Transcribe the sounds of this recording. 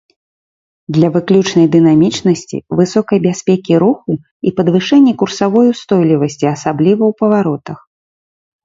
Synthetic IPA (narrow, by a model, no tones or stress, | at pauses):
d̪lʲɐvɨklʲut͡ʂnɐjd̪ɨn̪amʲit͡ʂnɐsʲt͡sʲḭvɨsɔkɐjbʲasʲpʲɛkʲiɾuxu | ipɐd̪vɨʂɛnʲːikursavɔjwst̪ɔjlʲivɐsʲt͡sʲiɐsablʲivɐwpɐvaɾɔt̪ɐx